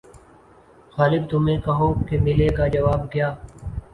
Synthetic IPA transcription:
ɣaːlɪb̚t̪ʊmẽːkəɦoːkemɪleːkaːd͡ʒəʋaːb̚kjaː

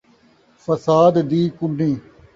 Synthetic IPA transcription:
fəsaːd̪ːiːkʊniː

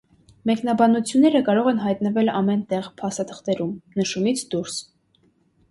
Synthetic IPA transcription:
mɛknɑbɑnut͡sʰjunːɛɾəkɑɾɔʁɛnɦɑjt̪nəvɛlɑmɛnt̪ɛʁpʰɑst̪ɑt̪ʰə̥χt̪ɛɾumnəʃumit͡sʰd̪uɾs

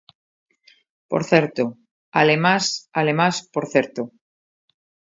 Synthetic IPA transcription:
po̰ɾθeɾt̪o | alemasalemaspoɾθeɾt̪o

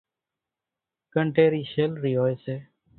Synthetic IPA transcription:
kəɳʈeːɾiːʃeːlɾiːɦoːeːseː

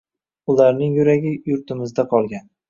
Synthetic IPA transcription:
ʊlaɾnɪŋjʊɾaɡʲɪjʊɾt̪ɪmɪzd̪aqʰɒlˠɡʲan

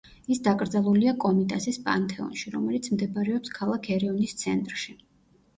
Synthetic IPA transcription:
isd̪akʼɾd̪zalˠuliakʼɔmit̪ʼasispʼant̪ʰʼɛɔ̰nʃiɾɔ̰mɛlit̪sʰmd̪ɛbaɾɛɔpskʰalˠakʰɛɾɛɔnist̪sʰɛnt̪ʼɾʃi

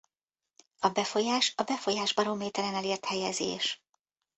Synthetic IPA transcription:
ɒbɛfo̞jaːʃɒbɛfo̞jaːʒbɒɾo̞meːt̪ɛɾɛnɛleːrt̪hɛjɛzḛːʃ

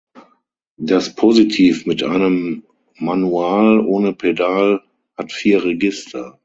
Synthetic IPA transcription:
d̥aspʰozitʰiːfmɪtʔa̰ɪnəmː | anuaːlʔoːnəpʰedaːl | hatfiːɐʁeɡɪstʰɐ

